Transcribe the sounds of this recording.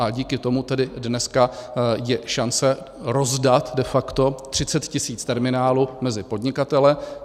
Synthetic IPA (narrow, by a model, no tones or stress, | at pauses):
ʔaɟiːkɪt̪o̞mut̪ɛdɪdnɛskajɛʃant͡sɛ | ɾo̞zdat̪dɛfakt̪o̞t̪r̝̥ɪt͡sɛt̪cɪsiːt͡st̪ɛɾmɪnaːluːmɛzɪpo̞dɲɪkat̪ɛlɪ